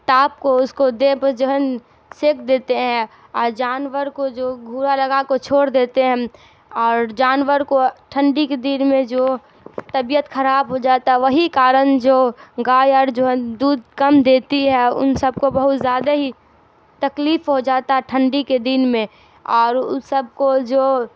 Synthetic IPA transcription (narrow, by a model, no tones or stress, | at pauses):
t̪aːp̚koʊskod̪ebəd͡ʒoɦən | seːkʰd̪eːt̪eɦɛ̃ | ɔːɾd͡ʒaːnwəɾkod͡ʒoːɡʱuːɾalɐɡakot͡ʃʰoːɽd̪eːt̪eɦɛ̃ | ɔːɾd͡ʒaːnʋəɾkoʈʰə̃ɳɖiked̪iːnmẽd͡ʒoː | t̪əbijət̪xəɾaːbɦod͡ʒaːt̪aɦɛʋəɦikaːɾənd͡ʒoːɡaːjɔɾd͡ʒoɦd̪uːd̪kəmd̪eːt̪iɦɛʊ̰nsəb̚kobəɦʊt̪zjaːd̪aɦi | t̪ɐkliːfɦod͡ʒaːt̪aɦɛʈʰə̃ɳɖiked̪inmẽ | ɔːɾʊsəb̚kod͡ʒoː